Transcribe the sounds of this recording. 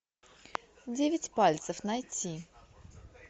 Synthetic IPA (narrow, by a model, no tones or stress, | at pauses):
dʲevʲɪtʲpalʲt̪səfnɐjtʲi